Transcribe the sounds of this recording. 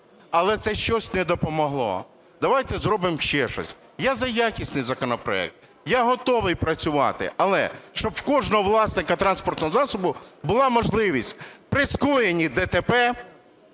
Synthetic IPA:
ɐlˠɛt̪sɛʃt͡ʃɔsʲnɛd̪ɔpɔmɔɦlˠɔ̰ | d̪ɐʋajt̪ɛzɾɔbɪmʃt͡ʃɛʃɔ̰sʲ | jazɐjakʲisʲnɪjzɐkɔnɔpɾɔ̰ɛ̰k̚t̪̚ | jaɦɔt̪ɔʋɪjpɾɐt͡sʲʊʋɑ̰t̪ɪ̰ɐlˠɛ̰ʃt͡ʃɔbkɔʒnɔɦɔʋlˠɑsnɪkɐt̪ɾɑnspɔrt̪nɔɦɔzɑsɔbʊbʊlˠɑmɔʒlˠɪʋʲisʲtʲpɾɪskɔjenʲid̪ɛt̪epɛ

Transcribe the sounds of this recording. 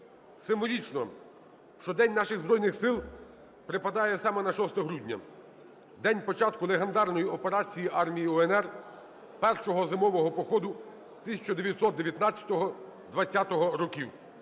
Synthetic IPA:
sɪmʋɔlʲit͡ʃnɔ | ʃt͡ʃɔd̪ɛnʲnɑʃɪɣzbɾɔjnɪxsɪlˠ | pɾɪpɐd̪ɑjɛsɑmɛnɐʃɔst̪ɛɦɾudʲnʲɐ̰ | d̪ɛnʲpɔt͡ʃɑt̪kʊlˠeɦend̪ɑrnɔjiɔpeɾɑt͡sʲijiʔɑrmʲijiɔɛnɛr | pɛrʃɔɦɔzɪmɔʋɔɦɔpɔxɔd̪ʊ | t̪ɪsʲɐt͡ʃɐd̪eʋʲjɐt̪ʲsɔt̪̚d̪eʋjɐt̪nɑt͡sʲjɐ̥t̪ɔɦɔ | d̪ʋɐt͡sʲːat̪ɔɦɔɾɔkʲiw

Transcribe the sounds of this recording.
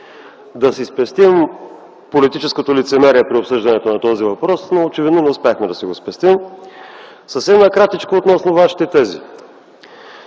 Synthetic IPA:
d̪ɐsispɛst̪im | polit̪it͡ʃɛskot̪olit̪sɛmɛɾiɛpɾiopsɤʒd̪ɐnɛt̪onɐt̪ɔzivɐpɾɔsnoːt͡ʃɛvid̪nonɛʊspjaxmɛd̪ɐsiɡospɛst̪im | səfsɛmnɐkɾat̪it͡ʃkoːt̪nɔsnovaʃi̥t̪ɛt̪ɛzḭ

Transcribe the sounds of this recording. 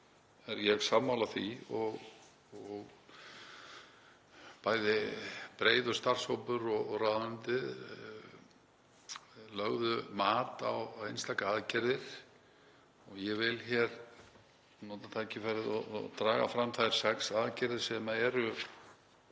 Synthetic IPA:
ɛɾjɛɣsaːmːawlaθiɔɣ | ɔɣ | paːjðɪpɾeːjðɔst̪ar̥showpʏɾɔɣraðʏnt̪ɪð | lœɣðʏmaːt̪awejnst̪akaaːðcɛɾðɪɾ̥ | ɔɣjɛvɪlçɛɾ | nɔːt̪at̪ʰacɪfajɾɪðɔ̰t̪ɾaːɣa̰fɾamːθajɾ̥sɛksaðcɛɾðɪ̥sɛmaɛɾʏ

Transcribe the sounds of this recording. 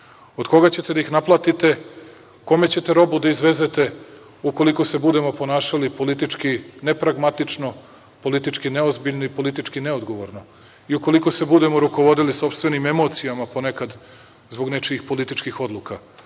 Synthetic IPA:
od̪ko̞ɡat͡ɕe̞t̪e̞d̪aixnaplˠat̪it̪e̞ | ko̞me̞t͡ɕe̞t̪eɾo̞bud̪aizʋe̞ze̞t̪e̞ | uko̞liko̞se̞bud̪e̞mo̞po̞naːʃalipo̞lit̪it͡ʃkinepɾaɡmat̪it͡ʂno̞ | po̞lit̪it͡ʃkineozbiʎnoipo̞lit̪it͡ʃkine̞od̪ɡo̞ʋo̞ɾno̞ | iuko̞liko̞se̞bud̪e̞mo̞ɾuko̞ʋo̞d̪iliso̞pst̪ʋe̞nime̞mot̪sijamapo̞nekad̪ | zboɡnet͡ʃiixpo̞lit̪it͡ʃkixo̞d̪lˠuka

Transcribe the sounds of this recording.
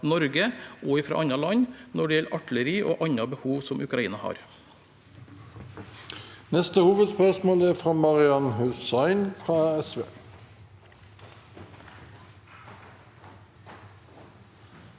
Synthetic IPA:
nɔɾɡəoːɪfɾɑ̰ʔɑɲɑlɑɲnɔɖɛːjɛlʔɑʈləɾiːʔo̰ːʔɑɲɑbəhuːʋsɔmʔʉkɾɑiːnɑhɑ̰ːɾ | nɛst̪əhuːʋəd̪spœʁʃmoːlæːfʁɑːmɑʁɪɑnhʉstɑɪnfʁɑːɛsʋḛː

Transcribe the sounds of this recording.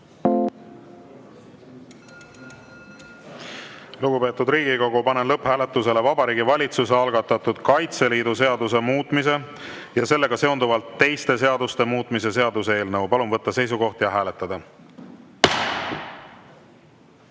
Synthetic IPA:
luɡ̥upe̞ːt̪ːˑud̪rɾiːɡiko̞ɡ̥upɑne̞nlɤphæːle̞t̪ːˑuse̞le̞vɑbɑɾiːɡivɑlʲit̪suseɑlɡɑt̪ːɑt̪ud̪̥kɑjt̪se̞liːd̪us̬e̞ɑd̪use̞muːt̪ˑmis̬e̞ | jɑse̞lːe̞ɡ̥ɑse̞ond̪uvɑlt̪ːe̞jst̪e̞s̬e̞ɑd̪ust̪e̞muːt̪ˑmise̞s̬e̞ɑd̪usee̞ːlnɤwpɑlumvɤt̪ːɑse̞js̬uko̞ht̪jɑɦæːle̞t̪ːˑɑd̪ɑ

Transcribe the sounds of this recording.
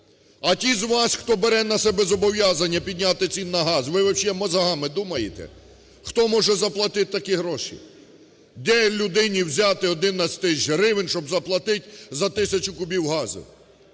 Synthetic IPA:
ɐtʲizʋɑsʲxt̪ɔbeɾɛnɐsɛbɛzɔbɔʋʲjazɐnʲːɐpʲid̪ʲnʲat̪ɪt͡sʲinːɐɦɑzʋɪɔwʃʲɛmɔzɐɦɑmɪd̪umɐjet̪ɛ̰ | xt̪ɔmɔʒɛzɐplˠɐt̪ɪt̪t̪ɐkiɦɾɔʃḭ | d̪ɛlʲʊd̪ɪnʲiwzʲat̪ɪɔd̪ɪnɐsʲt̪ɪʒɾɪʋɪnʲʃɔbzɐplˠɐt̪ɪtʲzɐt̪ɪsʲɐt͡ʃʊkʊbʲiwɦɑzɪ̰w

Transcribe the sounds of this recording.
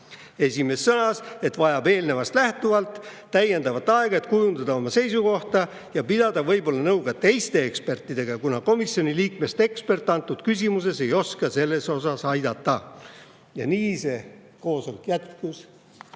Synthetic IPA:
e̞sʲime̞sːɤnɑse̞t̪vɑjɑbe̞ːlne̞vɑst̪læht̪uvɑlt̪t̪ːæje̞nd̪ɑvɑt̪ːˑɑeɡ̥ɑe̞t̪kujund̪̥ɑd̪ɑo̞mɑse̞jsuko̞ht̪ɑ | jɑpid̪̥ɑd̪̥ɑvɤ̞jbo̞lːɑnɤwɡ̥ɑt̪e̞jst̪e̞ekspe̞rt̪ˑːid̪̥e̞ɡ̥ɑkunɑko̞misjo̞niliːkme̞st̪e̞kspe̞rt̪ːˑɑnt̪ːˑud̪̥kys̬ʲimus̬e̞se̞jo̞skɑse̞lːe̞so̞sɑsɑjd̪ɑt̪ːˑɑ | jɑniːse̞ | ko̞ːsolkjæt̪kus

